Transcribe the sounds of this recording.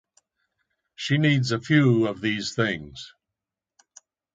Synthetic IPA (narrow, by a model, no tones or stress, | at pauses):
ʃiniːdzəfjʉːəvðiːz̥θɪ̃ŋz̥